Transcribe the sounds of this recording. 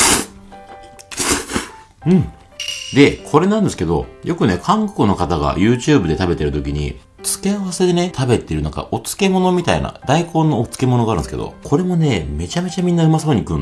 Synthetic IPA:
ɯ̟̃ɴ | d̪e̞kʰo̞ɾe̞nãnd̪e̞sɨ̥ke̞d̪o̞̰jʔo̞kɯ̟ne̞kʰãŋko̥kono̞kat̪aɡa̰jɯ̟ːt͡ɕɨːbɯ̟d̪e̞t̪abe̞t̪e̞ɾɯ̟t̪o̞kʲiɲ̟ḭ | t͡sɨ̥ke̞aβase̞d̪e̞ne̞t̪ʰabe̞t̪e̞ɾɯ̟nãŋka̰ʔo̞t͡sɨ̥ke̞mo̞no̞mʲit̪aḭna̰d̪aiko̞ːnːo̞ːt͡sɨ̥ke̞mo̞noɡaːɾɯ̟n̰skḛd̪o̰kʰo̞ɾe̞mo̞ne̞ːme̞t͡ɕame̞t͡ɕamʲĩnːaɯmasoːɲ̟ikɯ̟̃n

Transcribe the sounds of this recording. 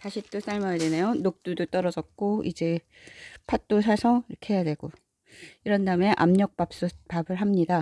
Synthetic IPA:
taɕʰit͈os͈aɭmʌjedwenejonok̚t͈udot͈ʌɾʌd͡ʑʌt̚k͈oḭd͡ʑe̞ | pʰat̚t͈osʰasʰʌŋiɾʌkʰeɦejadweɡ̥o | iɾʌndaɯme̞ʔa̰mɲʌk̚p͈ap̚s͈opabɯɭɦamɲida

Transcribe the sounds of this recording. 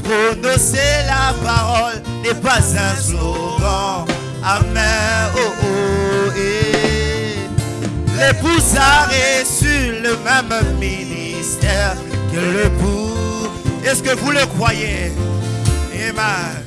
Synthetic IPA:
ponɔselapaʁɔl | nɛpazɛ̃so | ɡɑ̃ | amɛ̃ooe | lebuzaʁesyləmɛ̃mmini | st̪ɛʁ | kələbu | ɛskəvuləkʁwaje | emɛ̃

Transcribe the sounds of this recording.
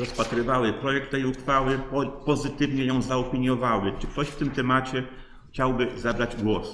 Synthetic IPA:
ɾɔspat̪ɾɘvawɘpɾɔjɛk̚t̪ːɛjuxfawɘpɔpɔzɘt̪ɘvɲɛjɔ̃w̃zaɔpʲiɲjɔvawɘt͡ʂɘk̚t̪ɔɕft̪ɘmt̪ɛmat͡ɕɛ | xt͡ɕawbɘzabɾad͡ʑɡwɔs

